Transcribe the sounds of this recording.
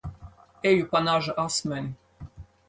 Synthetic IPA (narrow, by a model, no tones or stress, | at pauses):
ejupɑnɑʒɤ̆ʔɑsmɘ̆nʲ